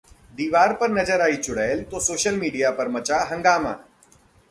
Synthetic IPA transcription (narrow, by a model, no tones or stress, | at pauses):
d̪iːʋaːɾpəɾnɐd͡ʒəɾaːit͡ʃʊɽaelt̪osoːʃəlmiːɖijapɐɾmɐt͡ʃaɦɐ̃ŋɡaːmã̰ː